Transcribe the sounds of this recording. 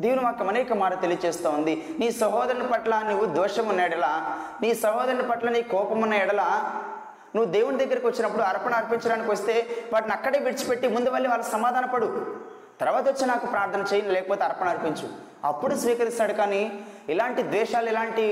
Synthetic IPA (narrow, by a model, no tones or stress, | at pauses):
d̪iːʋunimaːkɐmɐnejkɐmaːɾɐt̪e̞lijɐt͡ʃeːst̪aːund̪iniːsʋɐɦɔːd̪ɐɾɐnipɐʈlɐnuʋːud̪ɛːʃɐmunːɐjɛɽɐlaːniːsɐɦɔːd̪ɐɾɐnipɐʈlɐniːkɔːpɐmunːɐjɛɽɐlaː | nuʋːud̪eːwunid̪ɐɡːɐɾɐkiʋɐt͡ʃːinɐpːuɽuɐɾpɐɳɐɐɾpiɲt͡ʃɐɽaːnikiʋɐst̪e̞ːʋaːʈnɐkːɐɽeːʋiɽit͡ʃu̥pe̞ʈːimund̪uʋɐlːiʋaːlːɐsɐmaːd̪ʱaːnɐpɐɽu | t̪ɐɾʋaːt̪ɐʋɐt͡ʃːinaːkupɾaːɾt̪ʰɐnɐt͡ʃeːjɐnilɛːkɐpoːt̪eɐɾpɐnɐɾpiɲt͡ʃu | ɐ̰pːuɽusʋiːkɐɾit̪naːɽukaːniilaːɳʈid̪ʋɛːʃaːluilaːɳʈi